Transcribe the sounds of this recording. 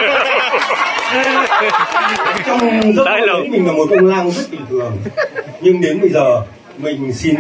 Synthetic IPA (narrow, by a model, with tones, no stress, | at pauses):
t͡ɕɔ˧wŋ͡mzə˦˥˧mï˨˩laː˨˩mo˨˩t̚kə˧wŋ͡mlaː˧ŋzə˦˥t̚ɗi˨˩t̪ʰɨ˨˩əŋɲɨ˧ŋɗe˨˦nɓə˧jzəː˨˩ | mï˨˩ŋ̟si˧n